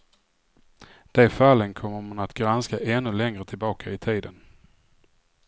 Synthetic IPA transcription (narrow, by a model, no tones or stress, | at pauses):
d̪̥ɛfalːənkʰɔmːəɾmanat̪ɡɾanskaʔɛnːɵlɛŋɾət̪ʰɪlbɑːkʰaɪt̪ʰiːd̪ən